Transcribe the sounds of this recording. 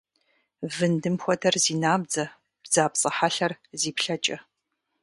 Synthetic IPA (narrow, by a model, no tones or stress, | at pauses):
vɨndɨmxʷɔdʰɐrziːnaːb̚d͡zɐ | b̥zaːpsʼɐħaɬɐrziːpɬɐt͡ʃʼɐ